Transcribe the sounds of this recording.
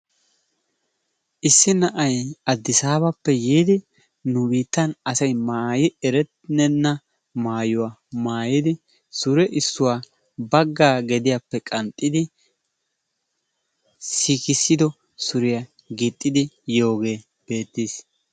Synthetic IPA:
ʔɪsːɪnɐʔɐjɐd̪ːɪsaːbɐpːɛjiːd̪ɪ | nʊbiːt̪ːɐnɐsɐjmaːjɪɛɾɛt̪nɛnːɐ | maːjʊwaːmaːjɪd̪ɪ | sʊɾɛʔɪsːʊwaː | bɐɡːaːɡɛd̪ɪjapːɛkʼɐnt̪ʼːɪd̪ɪ | sikɪsːɪd̪ɔ | sʊɾɪjɐ | ɡɪt̪ʼːɪd̪ɪjo̞ːɡe̞ː | b̥e̞ːt̪ːiːs

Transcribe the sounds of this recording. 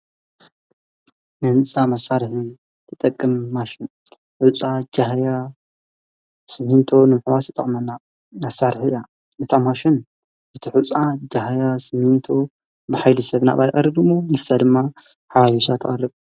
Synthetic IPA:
mɨnt͡sʼamɐsːaɾħi | t̪ʰɨt̪ʼɐkʼːɨmːaʃɪn | ħut͡sʼad͡ʒahja | sɨmhint̪ʰo̞nɨmɨħwasɨt̪ʼɐχʼmɐnːa | mɐsːaɾħia | ʔɨt̪ʰamaʃɪn | ʔɨt̪ʰiħut͡sʼad͡ʒahjasɨmhint̪ʰo | bɨħajlɨsɐβna̰βajxʼɐrɨbɨmːojɨsːad̪ɨmːaħaβaβiʃat̪ʰɨɐɾɨβ

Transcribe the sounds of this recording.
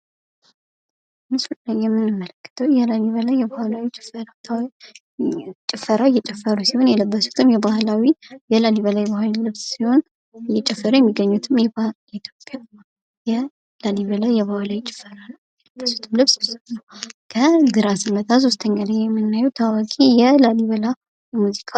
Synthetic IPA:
mɨsulajːɛmːɨnːɨmːələkːɨ̥t̪ʰəwjɛlaliβəlajːɛbahlawit͡ʃʼɪ̥fəɾat̪ʰw | t͡ʃʼɪfəɾajːɛt͡ʃʼɛfːəɾusiho̞njɛləbːəsu̥t̪ʰɨmjɛbahlawijɛlaliβəlajbahllɨβssiho̞n | jɛt͡ʃʼɛfːəɾujɛmːiɡːəɲːut̪ʰɨmjɛ | it̪ʰjopʼja | jɛ | laliβəlajɛβahalawit͡ʃʼɪ̥fəɾanəwjɛləbːəsu̥t̪ʰɨmlɨβssɨnːəwkʰəd̪ɨɾasɨmːət̪ʰas̬o̞st̪ʰəɲːaləɲjɛmːɨnːajɛwt̪ʰawakʼijɛlaliβəla | jɛmuzikʰa

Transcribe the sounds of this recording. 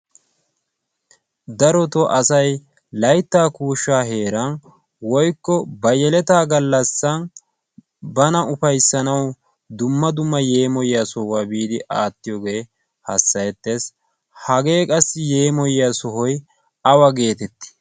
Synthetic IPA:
d̪ɐɾɔt̪ɔʔɐsɐj | lɐjt̪ːaːkuːʃːaːɦe̞ːɾɐn | wɔjkːɔbɐjɛlɛt̪aːɡɐlːɐsːɐn | bɐnɐʊpɐjsːɐnɐw | d̪ʊmːɐd̪ʊmːɐje̞ːmɔjːasɔhwaːbiːd̪ɪʔaːt̪ːɪjɔɡe̞ː | hɐsːɐjɛt̪ːes | hɐɡe̞ːkʼɐsːɪje̞ːmɔjːasɔɦɔj | ɐwɐɡe̞ːt̪ɛt̪ːɪ̥

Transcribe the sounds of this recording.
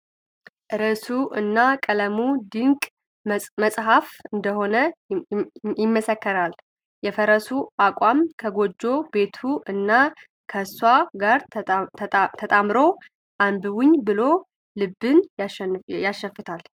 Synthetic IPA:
ʔɨɾəsuʔɨ̰nːakʼələmud̪ɨŋkʼ | məsʼɦafɨnd̪əho̞nə | jɪmːəsəkːəɾal | jɛfəɾəsuʔakʼwamkʰəɡo̞d͡ʒːo̞be̞t̪ʰuʔɨnːa | kʰəswaɡaɾʰ | t̪ʰət̪ʼamɾo̞ | ʔambɨwɪɲːbɨlo̞ | lɨbɨnjaʃjaʃːəfɨt̪ʰal

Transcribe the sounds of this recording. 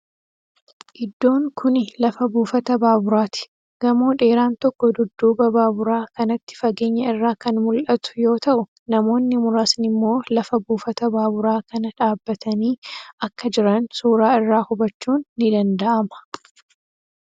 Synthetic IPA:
ʔɪd̪ːo̞ːŋkʰʊnɪlɐfɐbuːfɐt̪ɐbaːbʊɾaːt̪ɪ̥ | ɡ̥ɐmoːᶑe̞ːɾaːnt̪ɔkːɔd̪ʊd̪ːuːbɐbaːbʊɾaːkɐnɐt̪ːɪ̥fɐɡe̞ːɲːɐɪrːaːkɐnmʊlʔɐt̪ʊ̥jo̞ːt̪ɐʔʊ | nɐmo̞ːnːɪmʊɾaːsnɪmːo̞ːlɐfɐbuːfɐt̪ɐbaːbʊɾaːkɐnɐᶑaːbːɐt̪ʰɐniːɐkːɐd͡ʒɪɾɐnsuːɾaːɪrːaːhʊbɐt͡ʃːuːnːɪd̪ɐnd̪ɐʔɐmɐ̥

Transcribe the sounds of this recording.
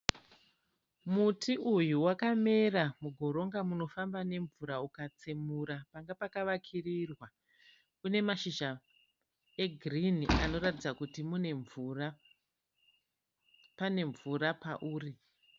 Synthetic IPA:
mutʰiʔujuwakame̞ramuɡʱo̞ɾo̞ŋɡamuno̞fambane̞ɱvuɾaukat͡simuɾapaŋɡapakaʋakʰirirwa | une̞maʃiʒa | eɡʱrinia̰no̞ratid͡zakutimuneɱra | pane̞ɱvurapaʔuːri

